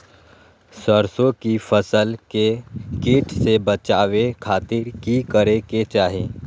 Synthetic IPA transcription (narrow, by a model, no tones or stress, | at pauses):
səɾsõkifʰəsəlkekiːʈʰsebət͡ʃaːʋekʰaːt̪ɪɾkikəɾeket͡ʃaːɦeː